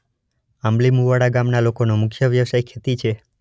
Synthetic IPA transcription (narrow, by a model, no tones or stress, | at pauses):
amlimuʋaɽaɡamnalokonomʊkʰjəʋjəʋsajkʰːet̪it͡ʃʰe